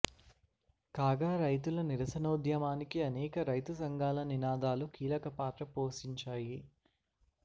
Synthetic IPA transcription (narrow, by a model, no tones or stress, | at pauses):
kaːɡaːɾɐjt̪̬ulɐniɾɐsɐnɐːud̪jɐmaːnikiɐnɛːkɐɾɐjt̪usɐŋɡaːlɐninaːd̪aːlukiːlɐkɐpaːt̪ɾɐpoːsiɲt͡ʃaːji